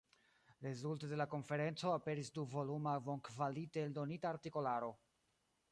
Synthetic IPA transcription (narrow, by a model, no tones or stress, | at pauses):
ɾe̞zultode̞lako̞nfe̞ɾe̞nt͡so̞ape̞ɾisduvo̞lumavoŋkvaliteldo̞nitaːɾtiko̞laɾo̞